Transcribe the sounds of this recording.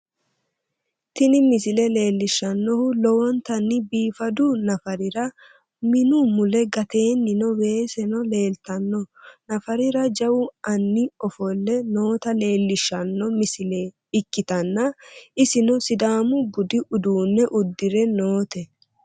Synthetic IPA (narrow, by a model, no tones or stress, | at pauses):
t̪ɪnɪmɪsɪlɛle̞ːlːɪʃːɐnːɔhʊlɔwɔnt̪ɐnːɪbiːfɐd̪ʊnɐfɐɾɪɾɐ | mɪnʊmʊlɛɡɐt̪e̞ːnːɪnɔwe̞ːsɛnɔle̞ːlt̪ɐnːɔnɐfɐɾɪɾɐd͡ʒɐwʊʔɐnːɪɔfɔlːɛno̞ːt̪ɐle̞ːlːɪʃːɐnːɔmɪsɪleː | ɪkːɪt̪ɐnːɐɪsɪnɔsɪd̪aːmʊbʊd̪ɪʔʊd̪uːnːɛʔʊd̪ːɪɾɛnoːt̪ɛ